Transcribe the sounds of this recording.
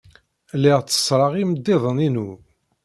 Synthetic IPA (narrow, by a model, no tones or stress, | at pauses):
lːɪʁt͡sːə̥sˤɾˤɑʁiməd̪ːɪðˤəninu